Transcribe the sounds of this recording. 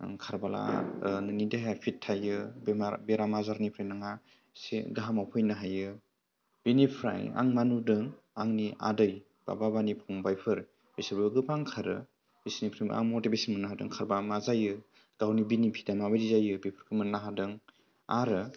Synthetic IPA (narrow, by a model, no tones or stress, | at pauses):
kʰaɾbala̰nɯnideɦaapʰitʰːajɯbabeɾamazaɾnipʰɾɯjnaŋa | sḭɡaɦamawpʰɯjnɯɦajɯ | b̥inipʰɾa̰ja̰ŋmanudɯŋ | aŋniʔa̰dɯj | b̥a̰babanipʰɔŋbajpʰɯɾ | bisɯɾbɯɡɯbaŋkʰaɾɯ̰ | isnipʰɾɯjm̰a̰ŋmotibesinmɯnaɦadɯ̰ŋkʰaɾbamazajɯ | ɡ̥awnibinipʰi̥damabadizajɯbepʰɯɾkʰɯmɯnːaɦadɯŋ | a̰ɾɯ